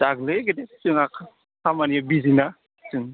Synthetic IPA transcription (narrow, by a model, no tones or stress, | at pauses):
d̥aɡlɯɡedesɯŋakʰa | kʰamanijabizina | sɯŋ